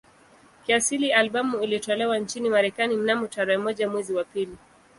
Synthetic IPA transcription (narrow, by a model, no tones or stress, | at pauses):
kiasilialɓamuilitɔlɛwant͡ʃinimaɾɛkanim̩namutaɾɛɛmɔʄamwɛziwapili